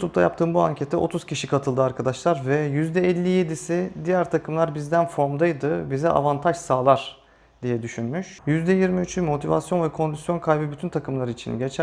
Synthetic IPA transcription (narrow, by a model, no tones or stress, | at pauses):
jut̪ʰup̚t̪ʰajap̚t̪ʰɯːmbuaɲcʰet̪ʰːɛʔo̞̰t̪ʰuz̥cʰiʃikʰat̪ʰɯlˠd̪ɯaɾkʰad̪aʃlˠaɾvɛjyzd̪ɛɛlʲːije̞d̪isid̪ijæɾt̪ʰakʰɯmlˠaɾbizd̪ænfo̞ɾmd̪ajd̪ɯbizɛʔa̰vant̪ʰaʃsaːlˠaɾ̥ | d̪ijɛd̪yʃynmyʃjyzd̪ɛjiɾmiyt͡ʃʰymo̞t̪ʰiva̰sjo̞nvɛkʰo̞nd̪isjo̞nkʰajbɯbyt̪ʰynt̪ʰakʰɯmlˠaɾɯit͡ʃʰḭnɟet͡ʃʰæ